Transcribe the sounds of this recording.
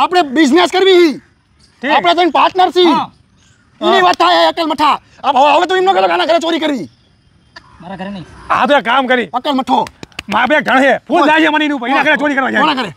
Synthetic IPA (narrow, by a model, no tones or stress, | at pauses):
apɽ̃ebɪd͡ʒneskəɾʋiɦi | ʈʰiaːɽ̃et̪̬onpaːɾʈnəɾsʰĩ | uneʋaːt̪ʰːaːjɦəkəlməʈʰaː | apəʋəʋẽt̪oimnoːkəɾokaːnaːɡʱəɾet͡ʃoːɾiːkəɾʋiː | ɡa̰t̪oekaːmkəɾiːəkəlməʈʰoːmãpaɡʱəɽɦepʰuld͡ʒaːd͡ʒemaːnĩnũːpəinãɡəɾet͡ʃoːɾiːkəɾʋãd͡ʒanaɡəɾe